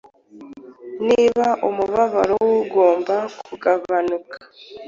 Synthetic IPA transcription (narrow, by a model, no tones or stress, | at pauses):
niːβaʔomuβaβaɾowɡo̞ːmbakuɡaβanukḁ